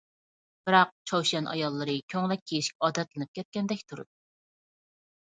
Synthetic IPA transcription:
b̥ɨɾɑq̚t͡ʃʰɑwʃɛnʔɑ̰jɑlˠːɨɾɨkʲʰøŋlɛk̚ʲʰːejiʃi̥kʲɑːd̪ɛt̪lɨnɨp̚kʲʰɛt̪̚kʲɛnd̪ɛkʲt̪ʰuɾṵd̪

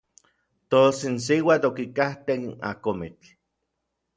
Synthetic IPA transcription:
t̪osinsiwat̪okikaht̪ena̰komit͡ɬ

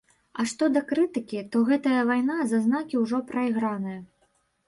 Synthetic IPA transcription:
ɐʂt̪ɔd̪ɐkɾɨt̪ɨkʲit̪ɔɣɛt̪ɐjɐvajn̪azɐznakʲiwʐɔpɾɐiɣɾanɨjɐ

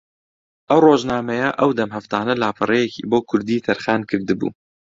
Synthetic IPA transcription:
ʔɐwroːʒnaːmɛjɛʔɐwd̪ɐmɦɐft̪ɑːnɐlaːpʰɨrˤejɛkḭːboːkʰʊɾd̪iːt̪ʰɐɾxɑːnkʰɨɾd̪ɨbṵː

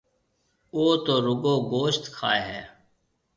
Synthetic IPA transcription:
oːt̪oːɾʊɡoːɡoːʃt̪kʰa̰ːeɦɛː

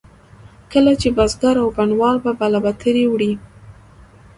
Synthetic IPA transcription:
kəlat͡ʃebazɡaɾawɡaɳwɑlbabalabat̪ʰəɾewɽi

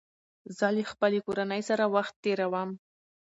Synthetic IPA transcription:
zəlexpəlekoɾanəjsaɾawaxt̪ːeɾawam

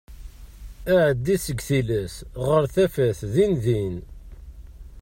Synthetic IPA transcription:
æʕəd̪ːisəɡθilæsʁəɾθæfæθðinðin

